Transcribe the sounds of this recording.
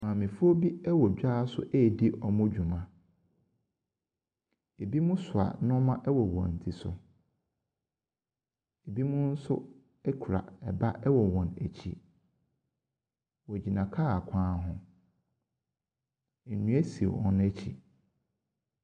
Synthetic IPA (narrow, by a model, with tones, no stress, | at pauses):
mãː˨mɪ̃˨fʊ˦o˦bi˦ɛ˦wɔ˨d͡ʑᶣaː˦sʊ̰˦ʔe˦˨di˦ʔɔ˨mʊ̃˦d͡ʑᶣu˨mã˨ | e˨bi˦mʊ̃˦sʊ˨a̰˨nʊ̃˦mã˦ʔɛ˦wɔ˨wɔ̰̃˨n̩˨tʰi˨sʊ̰˨ | e˨bi˦mʊ̃˦n̩˦sʊ̰˦ | ɛ˦kʰɾa̰˨ɛ˨ba˦ʔɛ˦wɔ˨wɔ̃˨næ̰˨t͡ɕʰḭ˨ | wɔ˨d͡ʑi˨nã˨kʰaː˦˨a˨kʷʰãː˦ɦʊ̃˦ | e˨nũ˦æ˦si˨o̰˨ɔ̰̃˦ñ˦æ˦t͡ɕʰḭ˨